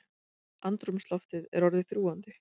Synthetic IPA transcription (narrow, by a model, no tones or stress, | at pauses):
ant̪ɾʏmst̪lɔft̪ɪðɛ̰ɾɔɾðɪθɾuːant̪ɪ